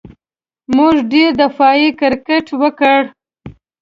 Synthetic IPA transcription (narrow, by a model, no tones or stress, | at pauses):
muʒɖeɾd̪afɑjikɪɾkeʈwəkəɽ